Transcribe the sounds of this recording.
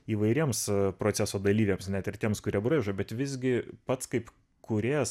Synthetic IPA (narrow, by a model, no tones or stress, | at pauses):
iːʋɐɪɾʲiɛmspɾoːt͡s̪ʲsʲæsoːd̪ɐlʲiːʋʲeːmsnʲæt̪ɪrt̪ʲiɛmskʊɾʲiɛbɾɐɪʒoːbʲɛt̪ʋʲɪzʲɡʲɪpɐt̪skɐɪp | kʊɾʲeːs